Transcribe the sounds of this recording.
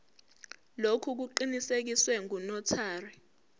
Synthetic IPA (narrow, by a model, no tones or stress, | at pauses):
lokʰuk̬uǃinisek̬iswɛŋunɔtʰaːri